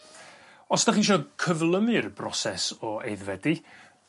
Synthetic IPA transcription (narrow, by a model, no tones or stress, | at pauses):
ɔsdaχiʃ̬ɔkʰəvlˠəmɨrbrɔsɛsɔejðvɛdi